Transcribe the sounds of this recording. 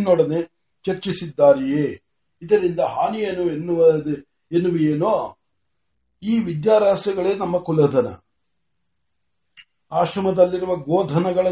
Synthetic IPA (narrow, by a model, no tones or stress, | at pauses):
noːɽɐneː | t͡ʃɐɾt͡ʃisid̪ːaːɾijeː | id̪ɐɾind̪ɐɦaːnijenuenːuʋɐ | enːuʋieːno | iːʋid̪jaːɾaːsjɐɡɐɭe̞ːnɐmːɐkulɐd̪ʱɐnɐ̰ | aːʃɾɐmɐd̪ɐlːiɾuʋɐɡoːd̪ʱɐnɐɡɐɭɐ